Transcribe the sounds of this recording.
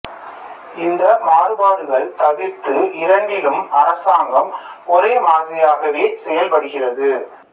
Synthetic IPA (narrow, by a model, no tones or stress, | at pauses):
ɪnd̪ɐmaːrɯbaːɽɯɣɐɭt̪ɐʋɪɾt̪ɯɪɾɐɳɖɪlɯmɐɾɐsaːŋɡɐmɔɾeːmaːɣɪjaːɣɐʋeːsɛjɐlpɐɽɯɣɪrɐðɯ